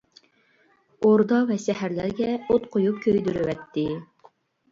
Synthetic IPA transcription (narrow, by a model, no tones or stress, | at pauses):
oɾd̪ɑvɛsɛhæɾlæɾɡʲɛot̪̚qʰojup̚kʲʰøjd̪yɾywɛt̪ʰːɪ